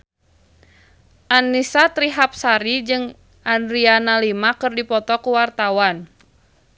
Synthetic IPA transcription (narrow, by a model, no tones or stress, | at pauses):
ʔanːisat̪ɾiɦap̚saɾid͡ʒɨŋ | ʔandɾianalimakɨrdipɔt̪ɔkuwart̪awan